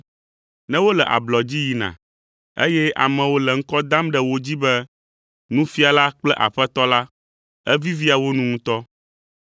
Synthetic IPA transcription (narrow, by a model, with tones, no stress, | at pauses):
nɛ̃˦wo˦lɛ˨ʔa̰˨blɔ˨d͡ʑi˦ji˨nã̰˨ | ḛ˦jɛ˦ʔa̰˨mɛ̃˨wo˦lɛ˨ŋ̩˦kɔ˦d̪a˦mɖɛ˦˨wo˦d͡ʑi˦bɛ˦ | nũ˦fi˦a˨la˦k͡plɛ˦ʔa̰˨ɸɛ˦t̪ɔ˦la˦ | ɛ˦vi˦vi˦a˨wo˦nũ˦ŋũ˦t̪ɔ˦